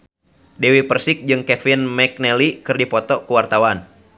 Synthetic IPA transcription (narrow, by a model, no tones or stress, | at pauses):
dɛwipərsɪk̚d͡ʒɨŋkɛfinmɛk̚nɛlikɨrdipɔt̪ɔkuwart̪awan